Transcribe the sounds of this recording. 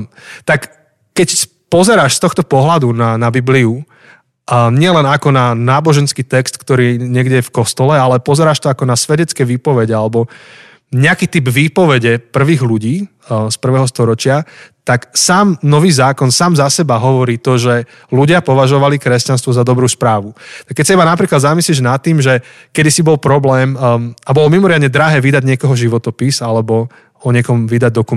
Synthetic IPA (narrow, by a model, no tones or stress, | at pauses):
t̪ak | kːɛc | pɔzɛɾaːʃst̪ɔxt̪ɔpɔɦlad̪unanabibliu | ɲɪɛlɛnakɔnanaːbɔʒɛnskiːt̪ɛkst̪kt̪ɔɾiːɲɪɛɡɟɛjɛfkɔst̪ɔlɛalɛpɔzɛɾaːʃt̪ɔakɔnasʋɛɟɛt͡skɛʋiːpɔʋɛɟɛalɛbɔ | ɲɛakiːt̪ibʋiːpɔʋɛɟɛpr̩ʋiːɣluɟiː | spr̩ʋɛːɦɔst̪ɔɾɔt͡ʃɪat̪aksaːmnɔʋiːzaːkɔnsaːmzasɛbaɦɔʋɔɾiːt̪ɔʒɛ | luɟɪapɔʋaʒɔʋalikɾɛscans̬t̪ʋɔzad̪ɔbɾuːspɾaːʋut̪akːɛc̚ʲsaibanapɾiːklad̪zamisliʒnat̪ːiːmʒɛ | kɛd̪isibɔlpɾɔblɛːmabɔlɔmimɔɾɪad̪ɲɛd̪ɾaɦɛːʋid̪aɟɲɪɛkɔɦɔʒiʋɔt̪ɔpisalɛbɔ | ɔɲɪɛkɔmʋid̪aɟ̚d̪ɔku